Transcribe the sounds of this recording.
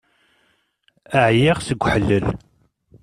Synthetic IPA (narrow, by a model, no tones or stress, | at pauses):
əʕjɪʁsəɡʷːħəlːəl